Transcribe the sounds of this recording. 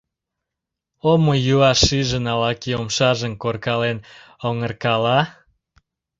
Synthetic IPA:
omojuɑʃiʒənɑlɑkiomʃɑʒəmkorkɑlenoŋərkɑlɑ

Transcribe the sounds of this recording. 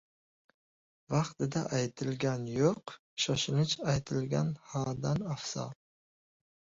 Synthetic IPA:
vɑqt̪ɪd̪aʔajt̪ʰɪlɡʲanjoq | ʃɒʃɪnɪt͡ʃajt̪ʰɪlɡʲanhɑːd̪anafsɑ̰

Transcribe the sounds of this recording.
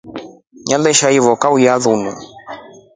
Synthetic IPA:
ɲalɛʃaivɔkaujaðunu

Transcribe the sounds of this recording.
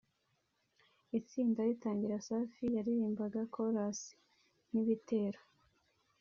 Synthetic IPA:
it͡siːndaɾitaːɲɟiɾasaːfijaɾiɾiːmbaɡakʰoɾasi̥ | n̥iβitʰe̞ːɾo

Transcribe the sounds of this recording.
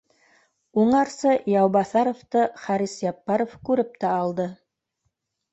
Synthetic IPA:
uɴɑɾsɤjɑwβɑθɑɾŏft̪ɤχɑɾisjɑpːɑɾofkʉɾɘp̚t̪æɑlˠd̪ɤ

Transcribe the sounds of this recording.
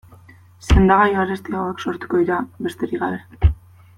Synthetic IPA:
se̞nd̪aɣajaɾest̪iaoe̞kso̞ɾt̪u̥ko̞ðiɾaβe̞st̪e̞ɾiɣaβe̞

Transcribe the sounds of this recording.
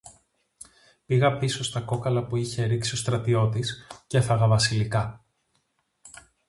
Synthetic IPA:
piɣɐpiso̞st̪ɐko̞kɐlɐpuiçe̞ɾiksio̞st̪ɾɐt̪io̞t̪iscefɐɣɐvɐsilikɐ

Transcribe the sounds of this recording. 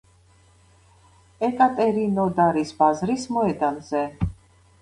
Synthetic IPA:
ɛkʼat̪ʼɛɾinɔd̪aɾisbazɾismɔɛd̪anzɛ

